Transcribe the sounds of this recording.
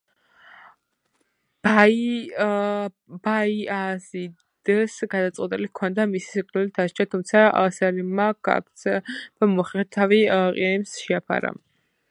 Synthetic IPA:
baiazi | d̪̥sɡad̪at̪sʼwɛt̪ʼilikʰɔnd̪amisi̥siqʼlɛlit̪ʰaʃt͡ʃʰat̪ʰumt̪sʰasɛɾimaka̰k̚ʰt̪sʰd̪̥amɔχɛɾt̪ʰaviqʼiimsʃɛapʰa̰ɾa̰

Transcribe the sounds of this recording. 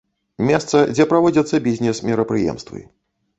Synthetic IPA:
mʲɛst̪sɐd͡zʲɛpɾavɔd͡zʲɐt̪sːɐbʲizʲnʲɛsmʲiɾɐpɾɨjɛ̰mst̪vɨ̰

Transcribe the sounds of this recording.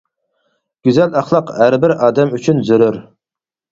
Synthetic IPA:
ɡ̥ʲyzælɑχlˠɑqhæɾbɪɾɑːd̪ɛmyt͡ʃʰynzyɾyɾ

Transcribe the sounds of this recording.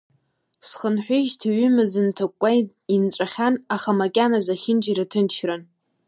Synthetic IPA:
sχənħʷᶣʊʒtʰaɥʏmɨzɨntʰakʷʼːaj | int͡sʷʼaχʲanaχamakʲʼanazaχʲɪnd͡ʒiɾatʰɨnt͡ʃʰran

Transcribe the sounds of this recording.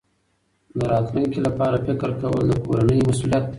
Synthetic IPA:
d̪əɾɑt̪ləŋkelapɑːɾafɪkəɾkawə̰ld̪əkoɾanəjmasulijat̪̚

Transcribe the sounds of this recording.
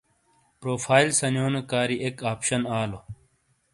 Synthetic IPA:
pɾoːfʰaːilsɐnjoːnekaːɾiʔekaːpɕɐnaːlo

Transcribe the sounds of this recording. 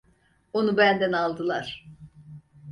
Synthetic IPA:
o̞nubænd̪ænalˠd̪ɯlˠa̰ɾ̥

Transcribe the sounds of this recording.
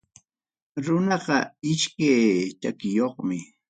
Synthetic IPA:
ɾʊnɑqɑɪʃkajt̪akɪjoχmɪ

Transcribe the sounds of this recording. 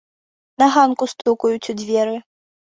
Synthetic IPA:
nɐɣankust̪ukujut͡sʲud͡zʲvʲɛɾɨ

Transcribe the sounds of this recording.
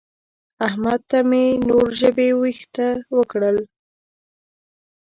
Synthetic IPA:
ahmad̪̚t̪amenoɾʒəbewixt̪awəkɽəl

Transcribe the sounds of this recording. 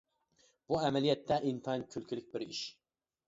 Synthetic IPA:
b̥uæmɛlijɛt̪ʰːɛʔint̪ʰɑnkʲʰylkʰʲilyk̚ʲbiɾiʃ

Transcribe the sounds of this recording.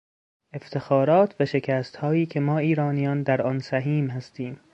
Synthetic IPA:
e̞ft̪ʰe̞xɒːɾɒːt̪ʰvæʃe̞cʰæːst̪hɒːiːcʲʰe̞mɒːiːɾɒːnijɒːnd̪æɾɒːnsæɦiːmhæst̪iːm

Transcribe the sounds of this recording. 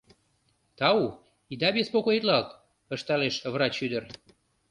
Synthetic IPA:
t̪ɑu | id̪ɑbespokoit̪lɑlt̪ | əʃt̪ɑleʃvɾɑt͡ɕːyd̪ər

